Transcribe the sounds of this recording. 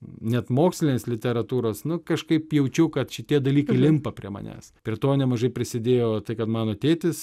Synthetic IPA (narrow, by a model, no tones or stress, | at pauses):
nʲɛt̪moːksʲlʲɪnʲeːslʲɪt̪ʲɛɾɐt̪uːɾoːsnʊkɐʃkɐɪpjɛʊt͡ʃʲɛʊkɐt̪ʃʲɪt̪ʲiɛd̪ɐlʲiːkɐɪlʲɪmpɐpʲɾʲiɛmɐ̰nʲæ̰ːspʲɾʲiɛt̪oːnʲɛmɐʒɐɪpʲɾʲɪsʲɪd̪ʲeːjoːt̪ɐɪkɐt̪mɑːnoːɐt̪ʲeːt̪ʲɪs